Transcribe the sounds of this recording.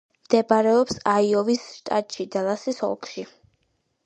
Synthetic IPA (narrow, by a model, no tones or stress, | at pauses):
md̪̥ɛbaɾɛɔpsaiɔvisʃt̪ʼa̰t̪ʼʃid̪alˠasisɔ̰lˠkʰʃi